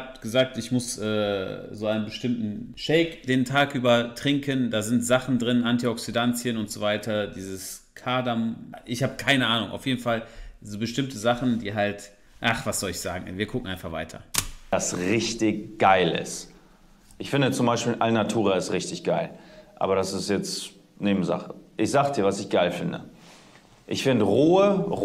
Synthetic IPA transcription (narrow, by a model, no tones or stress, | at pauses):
apɡ̥əzaːk̚tɪçmʊsʔɛːzoːʔaɪnənbəʃtɪmtn̩ʃɛɪkd̥eːntʰaːkʔyːbɐtʁ̥ɪŋkʰəndaːzɪntz̥aχn̩dʁɪnʔantiɔksidant͡sjənʊntz̥ovaɪtʰɐdiːzəskʰaːdamʔɪçhaːbəkʰaɪnəʔaːnʊ̰ŋʔa̰ʊfjeːdn̩falzoːbəʃtɪmtəzaχn̩diːɦalt | ʔaχv̥asz̥ɔlɪçz̥aːɡŋ̩viːɐkʊk̚ŋ̩ʔaɪnfaχv̥a̰ɪtʰɐ̰d̥asʁɪçtɪçɡ̥aɪlɪ̰st | ʔɪçfɪndət͡sʊmbaɪʃpiːlʔalənatʰuːʁaɪstʁɪçtɪçɡ̥aɪlʔa̰ːbɐɾasɪstjɛt͡st | neːbm̩za̰χəʔɪçz̥aːɡəd̥iːɐvasɪçɡ̥aɪlfɪndə̰ | ʔɪçfɪndəʁoːə